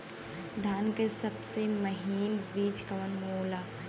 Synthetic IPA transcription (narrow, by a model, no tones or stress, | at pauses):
d̪ʱaːnkesɐbsemɐɦiːnbiːd͡ʒkɐʋənmoːlaː